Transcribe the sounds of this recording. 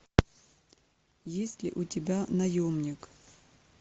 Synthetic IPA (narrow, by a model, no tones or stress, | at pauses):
jesʲtʲlʲɪ̰ʔʊtʲɪbʲanɐjomnʲɪk